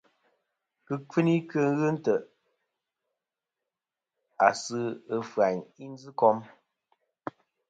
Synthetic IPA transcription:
kɨ˦kɨ˦ni˦kɨ˦ŋ˦ɣɨ˦n̩˦tə˨ʔ | a̰˨sɨ˦ə˨fɰa˨ɲi˦n˦d͡zɨ˦kɔ˦m

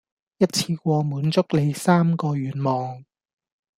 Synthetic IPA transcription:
jɐ˥t̚t͡sʰiː˧kʷɔː˧muː˨˥nt͡sʊ˥k̚le˨˧jsaː˥mkɔː˧ɥyː˨˥nmɔː˨ŋ

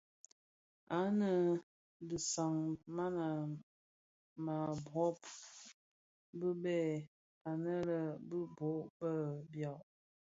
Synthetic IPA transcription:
a˨˦nə˨ | di˨sa˨ŋma˦na˨ | ma˨bɔ˨˦p | bə˦bɛ˦˨ | a˨nə˦lə˨bə˦bo˨˦ʔbə˦bjɔ˦˨ʔ

